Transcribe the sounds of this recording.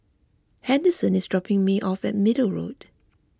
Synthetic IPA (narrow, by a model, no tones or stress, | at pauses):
hɛ̃ndəsə̃nɪsdɹɔpɪ̃ŋmiʔɔfɛ̰t̚mɪdəlɹo̰t